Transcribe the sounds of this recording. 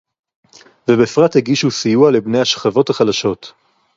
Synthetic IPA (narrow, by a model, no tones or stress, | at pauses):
vebefʁathiɡiʃusijualebne̞jaʃχavo̞thaχadaʃo̞t